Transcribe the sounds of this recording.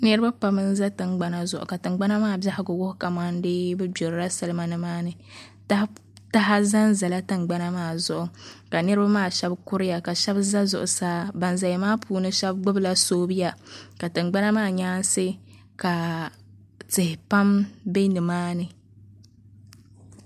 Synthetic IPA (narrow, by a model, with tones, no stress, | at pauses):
nɨ˦ɾɨ˦ba˦pa˨mɨ˦n˦za˦tɨ˨ŋɡ͡ba˦na˦zʊ˨ʔʊ̰˨ka˨tɨ˨ŋ͡mɡ͡ba˦na˦maː˦˨bja˦hɪ˦ɡʊ˨wʊ˦hʊ˦ka˨ma˦n˦deː˦bɛ˦bo˨ɾɾa˦sɨ˨lɨ˦ma˦nɨ˨maː˦nɨ˨ | ta˦ | ta˦ɦa˦za˦nza˨la˦tɨ˨ŋ͡mɡ͡ba˦na˦maː˦˨zʊ˨ʔʊ˨ka˨nɨ˦ɾɨ˦ba˦maː˦˨ʃɛ˦bkʊ˦ɾɪ˦ja˨ka˨ʃɛ˦bza˦zʊ̰˨ʔʊ˨saː˦ba˨nza˨ja˨maː˦pʰuː˨˦nɨ˦ʃɛ˦b̚ɡ͡bʊ˦bla˦soː˦bɨ˦ja˨ka˨tɨ˨ŋ͡mɡ͡ba˦na˦maː˦˨ɲaː˦n˦se˦ | ka˨ | tɨ˨hɪ˨pa˦mbe˦nɨ˨maː˦nɨ˨